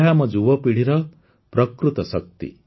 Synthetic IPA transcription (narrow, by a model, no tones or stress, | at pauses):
ɦamʌd͡zubʌpiɽiɾʌ | prʌkɾut̪ʌsʌk̚t̪ḭ